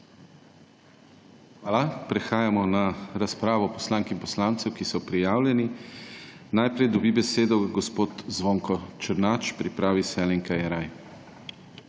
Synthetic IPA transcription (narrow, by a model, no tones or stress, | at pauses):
xaːlapɾɛxaːjamɔnaɾaspɾaːʋɔpɔslaŋkimpɔslant̪sɛwkisɔpɾijaːwlʲjɛni | najpɾɛjd̪ɔbibɛseːd̪ɔɡɔspoːt̪zʋoːŋkɔt͡ʃəɾnaːt͡ʃpɾipɾaːʋisɛlɛŋkajɛɾaj